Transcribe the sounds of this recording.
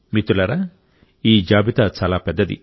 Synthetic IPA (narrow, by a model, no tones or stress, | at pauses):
mit̪ulɐɾa | iːd͡ʒaːbit̪aːt͡ʃaːlaːpɛd̪ːɐd̪ḭ